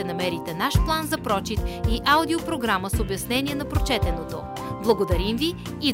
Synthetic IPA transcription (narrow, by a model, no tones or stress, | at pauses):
ɛnɐmɛɾit̪ɛnaʃplˠanzɐpɾɔt͡ʃit̪iʔaʊd̪iopɾoɡɾaməsobjɐsnɛnʲiɛnɐpɾot͡ʃɛt̪ɛnot̪o | blˠɐɡod̪ɐɾimviː